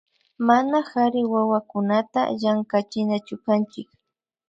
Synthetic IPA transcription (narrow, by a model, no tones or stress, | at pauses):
manaxaɾɪwawakʊnat̪a̰ʎaŋkat͡ʃɪnat͡ʃʊkant͡ʃɪk